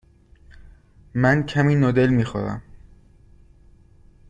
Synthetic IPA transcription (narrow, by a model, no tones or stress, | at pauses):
mæncʰæmiːnod̪elmiːxoɾæ̰m